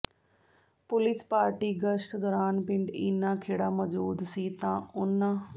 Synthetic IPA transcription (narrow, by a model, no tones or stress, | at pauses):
pʊlɪspaːɾʈiːɡəʃʈd̪ɔːɾaːnpɪɳɖɪnːãːkʰeːɽaːməd͡ʒuːd̪siːt̪ãːʊnːãː